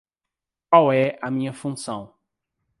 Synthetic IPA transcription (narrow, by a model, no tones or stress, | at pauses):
kwawɛɐmĩɲɐfũsɐ̃w̃